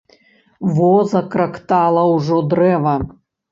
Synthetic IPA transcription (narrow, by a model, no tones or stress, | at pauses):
vɔzɐkɾɐkt̪alˠɐwʐɔd̪rɛvɐ